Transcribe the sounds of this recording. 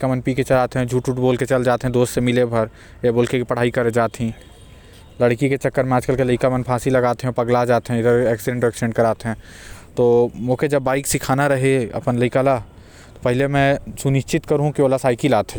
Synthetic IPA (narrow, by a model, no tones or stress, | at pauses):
kamənpiket͡ʃɐlaːt̪eɦɛ̃d͡ʒʱuːʈuːʈboːlket͡ʃɐld͡ʒaːt̪eɦɛ̃d̪oːssemɪlebʱɐɾ | eboːlkekipɐɽ̤aːikɐɾed͡ʒaːt̪ɦĩ | ləɽkiket͡ʃɐkːəɾmɛ̃aːd͡ʒkəlkeləɪkamənpʰaːsilɐɡaːt̪eɦɛ̃pɐɡlad͡ʒaːt̪eɦɛ̃ɪd̪əɾɛːksɪɖẽɳʈoɛːksɪɖẽɳʈ̚kɐɾaːt̪eɦɛ̃ː | t̪oːmoːked͡ʒɐbːaːɪksɪkʰaːnaɾɐɦeɐ̰pənlɐɪkala | t̪opɛɦlemɛ̃sʊnɪʃt͡ʃɪt̪kɐɾɦũkioːlasaːikilaːt̪ɦɛ̃